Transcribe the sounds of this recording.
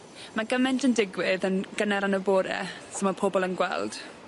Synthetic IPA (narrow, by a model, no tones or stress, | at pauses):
maɡəmɛntʰəndɪɡwɪðənɡ̥ənɛɾanəbɔːɾɛ̰somapʰɔbɔlˠənɡwɛ̰lˠd̥